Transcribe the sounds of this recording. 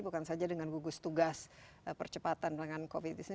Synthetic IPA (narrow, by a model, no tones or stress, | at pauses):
bukansad͡ʒadəŋanɡuɡʊst̪uɡas | əpərt͡ʃəpat̪anlaŋankofit̪̚disn